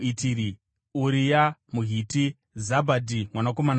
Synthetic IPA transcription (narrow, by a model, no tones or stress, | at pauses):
itiɾi | uɾijamuɦiti | zabʱadʱimwanako̞man